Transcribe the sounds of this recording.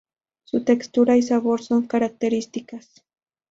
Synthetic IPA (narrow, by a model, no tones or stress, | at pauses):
sʊt̪ekst̪ʊɾajsaβoɾsoŋkaɾak̚t̪eɾɪst̪ɪkas